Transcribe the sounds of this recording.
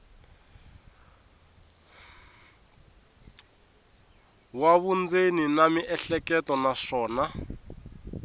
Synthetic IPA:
waβund͡zeninamiʔɛɬɛkɛtɔnaʂɔːna

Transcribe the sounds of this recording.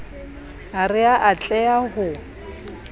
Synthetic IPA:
arɪaʔat͡ɬʼɛaɣʊ

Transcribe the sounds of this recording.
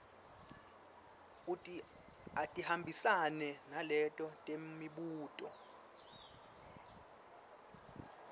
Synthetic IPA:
utʼi | atʼihambʱisanɛnalɛtʼɔtʼemiɓuːtʼɔ

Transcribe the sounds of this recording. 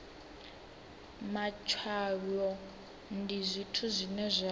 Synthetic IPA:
mat͡ʃʰwaɺɔ | ndizʷitʰuzʷinɛzʷa

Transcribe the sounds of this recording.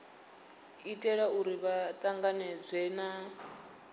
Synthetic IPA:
itʼɛɺauɾiβatʼaŋɡanɛd͡zʷɛna

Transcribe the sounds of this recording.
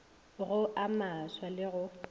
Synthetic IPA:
ɣʊʔamaswalɪɣʊ

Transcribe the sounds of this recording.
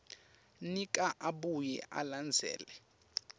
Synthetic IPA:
nikʼaʔaɓujɛ̰ʔa̰land͡zʱɛ̰ːlɛ

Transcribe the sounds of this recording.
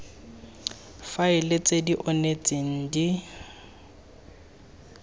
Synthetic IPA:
faɪlet͡sʼediʔɔnet͡sʼiŋ̩di

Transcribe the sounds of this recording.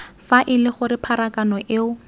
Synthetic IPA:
faʔɪlɪχʊɾɪpʰaɾakanɔʔeʊ

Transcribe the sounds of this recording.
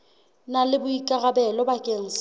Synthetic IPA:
nalɪbʊikʼaɣabɛlɔbakʼeŋ̩ːs

